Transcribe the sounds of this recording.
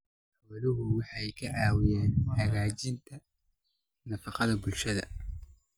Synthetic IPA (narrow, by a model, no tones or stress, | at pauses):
wɐlɪɣʊwɑħɑjkʰɐʕɑːwɪjɛːnħɑɣaːt͡ʃɪnt̪ʰɐ | nɐfɑqɑðɐbʊlʃɐðɐ̰